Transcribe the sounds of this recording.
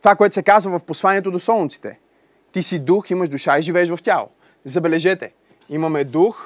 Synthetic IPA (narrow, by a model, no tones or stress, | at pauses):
t̪ovakoɛt̪ʊsɛkazvəvɐfposlˠaniɛt̪od̪osɔlˠnit̪si̥t̪ɛ̰ | t̪isid̪uximəʃd̪uʃaiʒivɛːʃvɐftʲalˠo̰ | zɐbɛlɛʒɛt̪ɛ | imɐmɛd̪ux